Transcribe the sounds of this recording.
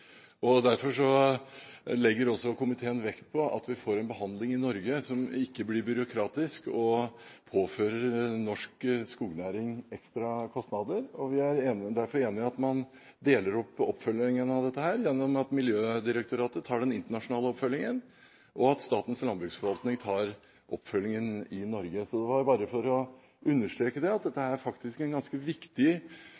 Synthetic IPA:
ɔd̪æɾfɔʂɔ | lɛɡːəɾɔsːɔkʊmɪt̪ʰeːənʋɛkt̪̚pʰɔɑ̰t̪ʋɪfoːɾɛnbəɦɑnd̪lɪŋɪnɔɾɡəsɔmɪkːəblɪɾbʏɾʊkʰɾɑːt̪ɪskɔpʰoːføːɾəɾnɔʂkskuːɡnæːɾɪŋɛkst̪ɾɑkʰɔst̪nɑd̪əɾɔʋɪæɾeːnd̪æɾfɔɾeːnɪɑt̪mɑn | d̪eːləɾɔpːɔpːfœlɪŋənɑʋd̪ɛt̪ːəhæːɾjɛnːɔmɑt̪mɪljøːd̪ɪɾək̚t̪ʊɾɑːt̪ət̪ʰɑːɖɛnɪnt̪əɳɑʂʊnɑːləɔpfœlːɪŋən | ʔɔɑt̪st̪ɑːt̪n̩slɑnbɾʉːksfɔɾʋɑlt̪nɪŋt̪ʰɑːɾ | ʔɔpːfœlːɪŋənɪnɔɾɡəsɔd̪ɛʋɑɾbɑːɾəfɔɾɔ | ʉnːəʂʈ̪ɾeːkəd̪ɛɑt̪̚d̪ɛt̪ːəhæːɾfɑkt̪ɪskɛnɡɑnskəʋɪkt̪ɪ

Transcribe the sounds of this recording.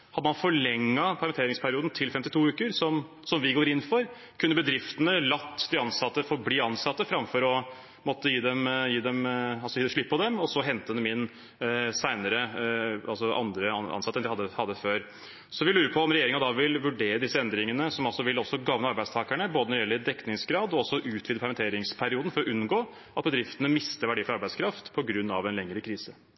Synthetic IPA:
hɑd̪ːəmɑnfɔɭɛŋːɑpʰɑɾɑnt̪eːɾɪŋspʰæɾɪuːd̪n̩t̪ʰɪlfɛmt̪ɪt̪ʰuːʉːkəɾsɔm | sɔmʋɪɡoːɾɪnːfɔɾ | kʰʉnːəbəd̪ɾɪft̪ənəlɑt̪ːd̪ɪɑnsɑt̪ːəfɔbliːɑnsɑt̪ːəfɾɑmfɔɾɔ | mɔt̪ːəjiːd̪ɛmjiːd̪ɛmɑlsɔjiːd̪ɛʂɭɪpːɔd̪ɛmɔsɔɦɛnt̪əd̪əmɪn | sæɪnəɾəɑlsɔʔɑ̰nd̪ɾəɑɑ̰nsɑt̪ənd̪ɪhɑd̪ːəhɑd̪ːəføːɾ | sɔʋɪlʉːɾəpʰɔɔmɾɛjeːɾɪŋɑd̪ɑʋɪlʋʉɖeːɾəd̪ɪsːəɛnd̪ɾɪŋənəsɔmɑlsɔʋɪlɔsɔɡɑʋnəɑɾbæɪd̪st̪ʰɑːkæɳəboːd̪ənɔɾɖɪjɛlːəɾd̪ɛkːnɪŋsɡɾɑːd̪ɔɔsːɔʔʉːt̪ʰʋid̪əpʰɛɾmɛnt̪eːɾɪŋspʰæɾɪuːd̪ən̩fɔɾɔʔʉnɡoː | ʔɑt̪̚bəd̪ɾɪft̪ənəmɪst̪əɾʋæɖiːfɾɑɾbæɪskʰɾɑft̪pʰɔɡɾʉnːɑʋɛnlɛŋɾəkʰɾiːsə

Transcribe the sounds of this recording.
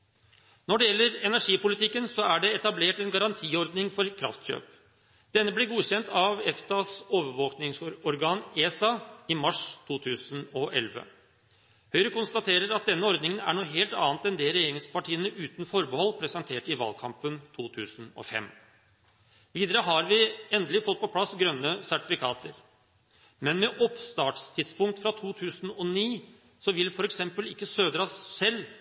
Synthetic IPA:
nɔɖɛjɛlːəɾɛnæʂiːpʊlɪt̪ʰɪkːənsɔæɖɛɛt̪ɑbleːʈɛnɡɑɾɑnt̪ʰiːɔɾd̪nɪŋfɔɾkʰɾɑ̰ft̪ɕø̰ːp | d̪̥ɛnːəblɪɾɡuːɕɛnt̪ʰɑʋɛft̪ɑsoːʋəɾʋoːknɪŋsɔɾɔɾɡɑːneːsɑɪmɑʂt̪ʰuːt̪ʰʉːsən̩ɔʔɛ̰lʋə̰ | hœʏɾəkʊnst̪ɑt̪ʰeːɾəɾɑt̪̚d̪ɛnːəɔɾd̪nɪŋənæ̰ɳuːɦeːlt̪ɑ̰ːnt̪ɛnd̪ɛɾɛjeːɾɪŋspɑʈʰiːənəʔʉːt̪nfɔɾbəhɔlːpʰɾɛsɛnt̪ʰeːʈɪʋɑ̰ːlkʰɑmpənt̪ʰuːt̪ʰʉːsənɔ̰fɛ̰mː | ʋiːd̪əɾəɦɑɾʋɪɛnd̪əlɪfɔt̪̚ːpʰɔpʰlɑsɡɾœnːəsæʈɪfɪkʰɑːt̪əɾ | mɛnmɛʔɔpst̪ɑːʈst̪ʰɪd̪spʊŋk̚t̪fɾɑt̪ʰuːt̪ʰʉːsn̩ɔniː | sɔʋɪlfɔɾɛksɛmpəlɪkːəsøːd̪ɾɑsːɛlː

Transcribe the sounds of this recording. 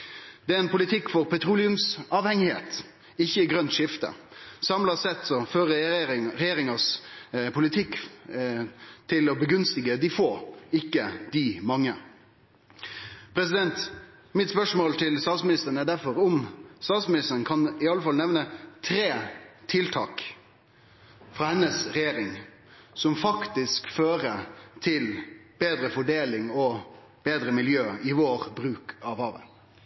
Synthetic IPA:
d̪̥ɛæɾɛnpʰʊlɪt̪ʰɪkːfɔɾpʰɛt̪ʰɾuːlɪʉmsɑːʋhɛŋɪhḛːt̪ | ɪçːəɪɡɾœnt̪ʂɪft̪ə̰sɑmlɑsɛt̪ːsɔføːɾəɾɛjeːɾɪŋɑspʰʊlɪt̪ʰɪkː | t̪ʰɪlɔbəɡʉnst̪ɪɡəd̪ɪfoːɪkːəd̪ɪmɑŋːə | pʰɾɛsɪd̪ɛnt̪ | mɪt̪spœʂmoːlt̪ʰɪlst̪ɑːt̪smɪnɪst̪əɾənæɖ̪æɾfɔɾɔmst̪ɑːt̪smɪnɪst̪əɾənkʰɑnɪɑlːəfɑlnɛʋnət̪ʰɾeːt̪ʰɪlt̪ʰɑ̰ːk | fɾɑːhɛnːəsɾɛjeːɾɪŋ | sɔmfɑkt̪ɪskføːɾət̪ʰɪlb̥eːd̪ɾəfɔɖeːlɪŋɔ | b̥eːd̪ɾəmɪljøːɪʋoːɾbɾʉːkɑʋhɑːʋə̰n

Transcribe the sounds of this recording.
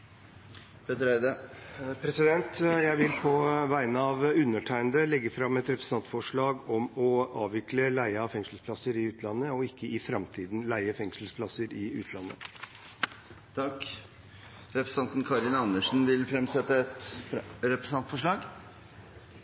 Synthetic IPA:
pʰeːt̪əɾæɪd̪əpʰɾɛsɪd̪ɛnt̪jæɪʋɪlpʰɔʋæɪnəɑʋʉnːəʈʰæɪənd̪əlɛɡːəfɾɑmːɛt̪ɾɛpɾəs̩ɑnt̪fɔʂɭɑːɡɔmɔɑːʋʋɪkləlæɪəɑfɛŋsl̩spʰlɑsəɾɪʉːt̪ʰlɑnːəɔɪkːəɪfɾɑmt̪ʰiːd̪nlæɪəfɛŋsl̩spʰlɑsəɾɪʉ̰ːt̪ʰlɑnːə | t̪ʰɑk | ɾɛpɾəsɑnt̪nkʰɑɾɪnɑnəʂn̩ʋɪlfɾɛmsɛt̪ːəɛt̪ɾɛpɾəsɑnt̪fɔʂɭɑːɡ

